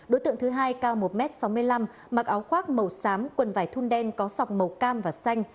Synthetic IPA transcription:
ɗo˨˦jt̪ɨ̰˧˨ŋt̪ɨ˨˦ɦaː˧jkaː˧wmo˨˩t̚mɛ˦˥t̚sa˨˦wmɨ˧əjla˧m | ma˨˩k̚ʔaː˨˦wxwaː˦˥t̚mə˨˩wsaː˨˦mkwə˨˩nvaː˧˩jt̪ʰu˧nɗɛ˧nkɔ˨˦za˨˩wk͡p̚mə˨˩wkaː˧mvaː˨˩sa˧jŋ̟

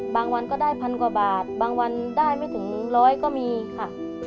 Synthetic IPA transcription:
baː˧ŋwa˧nkɔː˥˩daː˥˩jpʰa˧nkwaː˨˩baː˨˩t̪̚baː˧ŋwa˧ndaː˥˩jma˥˩jt̪ʰɯ˩˦ŋɾɔː˦˥jkɔː˥˩miː˧kʰa˧˥˩

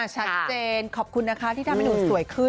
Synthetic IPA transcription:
a˨˩t͡ɕʰa˦t̪̚t͡ɕeː˧nkʰɔː˨˩p̚kʰu˧nːa˦˥kʰa˦t̪ʰiː˥˩tʰa˧ma˧jduː˨˩su˨˩əjkʰɯ˥˩n

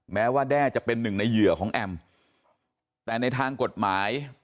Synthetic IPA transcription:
mɛː˦˥waː˥˩dɛː˥˩t͡ɕa˨˩pe˧nːɯ˨˩ŋna˧jːɯ˨˩ɐkʰɔː˩˦ŋʔɛ˧m | t̪ɛː˨˩na˧jt̪ʰaː˧ŋko˨˩t̪̚maː˩˦j

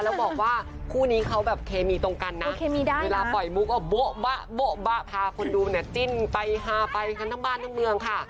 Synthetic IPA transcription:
lɛː˦˥˩wbɔː˨˩k̚waː˥˩ | kʰuː˥˩niː˦˥kʰa˦˥wbɛː˨˩p̚kʰeː˧miː˧t̪o˧ŋka˧nːa˦˧˥ke˧mi˧˦˥eː˧laː˧pɔ˨˩jmu˧˦˥k̚ːɔː˧˩bo˦˥ʔba˦˥ʔbo˦˥ʔba˦˥ʔpʰaː˧kʰo˧nduː˧na˧˩t͡ɕi˧˩npa˧jɦaː˧pa˧jʰa˧nʰaː˧˥˩baː˥˩˨nt̪ʰa˧˥˩ŋmɯ˧əŋkʰa˥˩

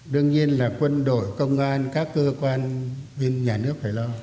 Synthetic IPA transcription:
ɗɨ˧əŋɲi˧ənlaː˨˩kwə˧nɗo̰˧˨jkə˧wŋ͡mʔaː˧nkaː˦˥kːəː˧kwaː˧nɓe˧nɲaː˨˩nɨ˦˥ək̚t̪ʰa˧˩jlɔ˧

